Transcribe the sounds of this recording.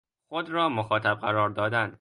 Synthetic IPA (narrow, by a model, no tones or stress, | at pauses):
xod̪ɾɒːmoxɒːt̪ʰæb̚ɢæɾɒːɾd̪ɒːd̪æn